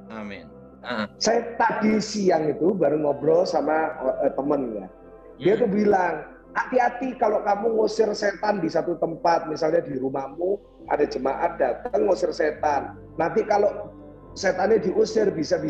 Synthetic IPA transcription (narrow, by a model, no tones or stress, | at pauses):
set̪ad̥isijaŋit̪ubaɾʊŋɔbɾɔsamat̪əmənka̰n | diait̪̬ubilaŋ | at̪iat̪ikalokamuŋusɪrset̪andisat̪ut̪əmpat̪̚misalɲadiɾumahmu | ʔa̰dad͡ʒəmaʔat̪̚d̥at̪əŋːusɪrset̪anː | ant̪ikaloʔ | set̪anɲadiʔusɪrbisabi